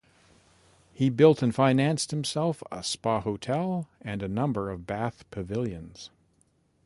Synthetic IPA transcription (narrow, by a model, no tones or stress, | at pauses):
hibɪlˠtɨ̃nfãɪ̃næ̃nst̚hɨ̃m̩sɛlˠfə̰spɑhoʊtʰɛlˠɨ̃nɨnʌ̃mbə˞ʌvbæθpʰɨvɪlˠjɨ̃nz̥